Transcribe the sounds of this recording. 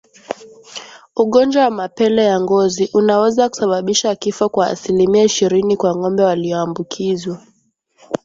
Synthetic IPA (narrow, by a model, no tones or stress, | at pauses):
uɠɔnd͡ʒwawamapɛlɛjaŋɡɔziʔunawɛzaku̥saɓaɓiʃakifɔkwa̰ːsilimiaiʃiɾinikwaŋɔmbɛwaliɔambukʰizwa